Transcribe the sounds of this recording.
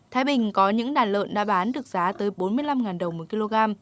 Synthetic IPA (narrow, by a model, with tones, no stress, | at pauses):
t̪ʰaː˨˦jɓï˨˩ŋ̟kɔ˨˦ɲɨ̰˧˥ŋɗaː˨˩nlə̰ː˧˨nɗa̰ː˧˥˩ɓaː˨˦nɗɨ˨˩ək̚zaː˨˦t̪əː˨˦jɓo˨˦nmɨ˧əjla˧mŋaː˨˩nɗə˨˩wmo˨˩ki˧lo˧ɣaː˧m